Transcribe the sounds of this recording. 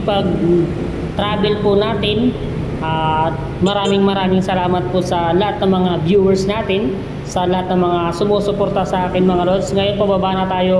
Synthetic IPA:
pɐɡ̚ | t̪ɾaːbɛlpʊnaːt̪ɪn | ʔaː | mɐɾaːmɪŋmɐɾaːmɪŋsɐlaːmɐt̪̚pʊsɐlɐhat̪̚nɐŋmɐŋabjuːwɛɹsnaːt̪ɪn | sɐlɐhat̪̚nɐŋmɐŋasʊmoːsʊpoɾt̪ɐsɐʔaːkɪnmɐŋɐlot̪sŋɐjonpɐbabaːnɐt̪aːjo

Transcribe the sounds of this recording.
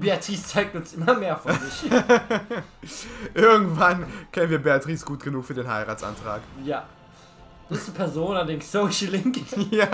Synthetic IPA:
b̥eatʁ̥iːst͡saɪk̚tʊnsʔɪmɐmeːɐfɔɪç | ʔɪɐɡŋ̩tv̥ankʰɛnənviːɐbeatʁ̥iːsɡ̥uːtɡ̥ənuːkfyːɐdeːnɦa̰ɪʁaːtsʔa̰ntʁ̥a̰ːkjaː | d̥ispʰɛɐzoːnlɐdɪŋsoʃlɪŋkja

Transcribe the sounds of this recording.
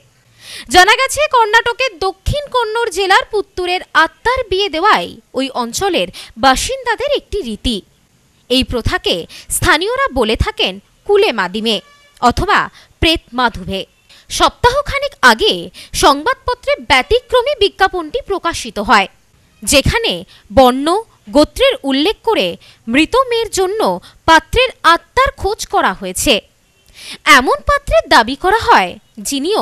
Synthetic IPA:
d͡ʑanaɡɛt͡ɕʰekɔɾnaʈokeɾd̪okʰːinkoɾnoɾd͡ʑelaɾput̪ːuɾeɾat̪ːaɾbied̪eoajojʔɔnt͡ɕoleɾbaʃind̪ad̪eɾek̚ʈiɾit̪i | ejpɾot̪ʰakest̪ʰanijoɾabolet̪ʰaken | kulemad̪ime | ɔt̪ʰoba̰ | pɾet̪̚mad̪ʱube | ʃɔb̚t̪aɦokʰanikaɡeʃɔŋbad̪̚pɔt̪ːɾeɾbɛʈikːɾomibiɡːapoɳʈipɾokaʃit̪oɦɔe | d͡ʑekʰane | bɔɳːo | ɡot̪ːɾeɾulːekʰkoɾe | mɾit̪omeɾd͡ʑonːo | pat̪ːɾeɾat̪ːaɾkʰod͡ʑkɔɾaɦojet͡ɕʰe | ɛmonpat̪ːɾed̪abikɔɾaɦɔe | d͡ʑinio

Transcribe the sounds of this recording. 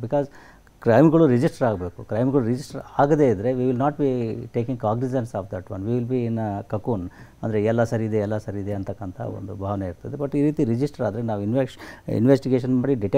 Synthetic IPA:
bikaːz | kɾɐjmɡɐɭuɾid͡ʒisʈɐɾaːɡbe̞ːkukɾɐjmɡɐɭuɾid͡ʒisʈɐɾaːɡɐd̪e̞id̪ɾe̞ʋiʋilnaːʈ̚biʈeːkĩŋɡkaːɡnid͡ʒensaːfd̪ɐʈʋɐ̰nʋiʋilbiːnɐkɐkuːnɐnd̪ɐɾeɛlːɐsɐɾiːd̪eɛlːɐsɐɾiːd̪eɐnt̪ɐkːɐnt̪ʰɐ̰o̰nd̪ubʱaːʋɐneiɾt̪ɐd̪ebɐʈːiːɾiːt̪iɾid͡ʒisʈɐɾaːd̪ɾenaːʋinʋeḭnʋesʈiɡeːʃ̬ɐnmaːɽiɖiʈe

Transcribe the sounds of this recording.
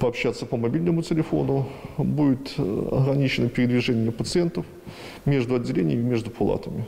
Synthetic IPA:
pəɐpɕːat̪sːəpəmɐbʲilʲnəmʊtʲɪlʲɪfo̞̰nʊbudʲɪt̪ɐ̰ɣɾɐnʲit͡ɕɪnəpʲɪɾʲɪd̪vʲɪʐɛnʲɪjəpət̪sɨɛnt̪əf | mʲe̞ʐd̪ʊɐdʲːɪlʲenʲɪ̰jəmʲɪmʲeʐd̪ʊpʰʊlˠa̰t̪əmʲɪ

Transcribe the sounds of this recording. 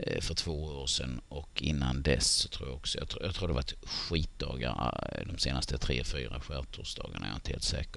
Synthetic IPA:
fœʈʰvoːooːɾʂɛnɔkʰɪnːand̪ɛsɔt̪ʰɾuːjaɔksɔjɑːjɑːɡt̪ʰɾuːd̪ɛvatɧiːt̪̚d̪ɑːɡaɾd̪ɔmseːnast̪ət̪ʰɾeːfyːɾaɧæːt̪ʰʊsd̪ɑ̰ːɡanɳʔajaːɪnt̪əhḛːlt̪sɛːkə

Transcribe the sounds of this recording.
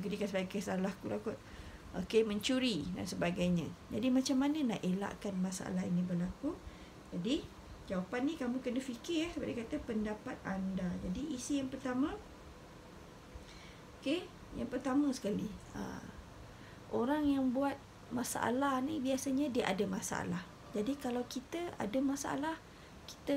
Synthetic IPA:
əɡədikansəbaɡkəsalahkulakʊt̪̚ | ʔokeməɲt͡ʃuɾida̰nsəbaɡajɲãd͡ʒadimat͡ʃamːanənaʔela̰ʔkanmasaʔa̰laɦinibərlaku | d͡ʒadi | d͡ʒawapanːikamukənafikɪaspa̰dakat̪apəndapat̪̚andad͡ʒadiʔːsijaŋpərt̪amã | oke | jaŋpərt̪amə̃sə̥kaliə̰ | ʔoɾaŋjaŋbuat̪̚ | masaʔa̰lahnibiasaɲadiaʔadamasaa̰lah | d͡ʒadikalawkit̪əa̰dəmasaa̰lah | ki̥t̪ə

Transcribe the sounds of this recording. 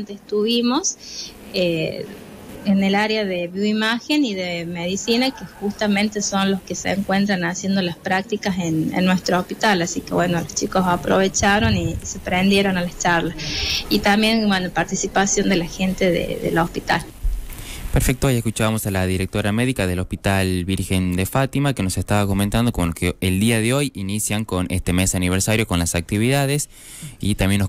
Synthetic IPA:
nt̪est̪uβimo̞s | e | enelaɾeaðeβjuimaxeniðemeðisinakexust̪amẽ̞nt̪eso̞nlo̞skeseḛŋkwe̞nt̪ɾanasje̞nd̪olaspɾak̚t̪ikasenḛnːwe̞st̪ɾoohpit̪alasikeβwenolost͡ʃiko̞sapɾoβet͡ʃaɾo̞nisepɾend̪je̞ɾo̞nalat͡ʃaɾlasit̪ambje̞nbenopaɾt̪isipasjo̞nd̪elaxent̪eðḛðḛlospit̪a̰l | peɾfek̚t̪oojekut͡ʃaβamo̞salaðiɾek̚t̪o̞ɾameðikaðelo̞spit̪alβiɾxe̞nd̪efat̪imakenosest̪aβako̞ment̪and̪o̞komolkeeld̪iaðeo̞jinisjaŋko̞nest̪emesaniβ̞eɾsaɾjo̞ko̞nlasak̚t̪iβiðaðes | it̪amjenːo

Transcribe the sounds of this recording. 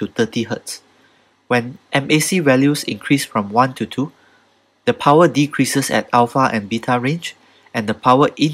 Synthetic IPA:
tut̪ətiɦəts | wɛ̃nʔɛ̃mesivɛljusḭ̃ŋkʰɹisfɹɔ̃mwãntʰutʰu | dəpʰawədikʰɹisəsɛ̰talfaʔɛ̃nbitʰaɹẽnd͡ʒ | ʔɛ̃ndəpʰaʊwəʔĩn

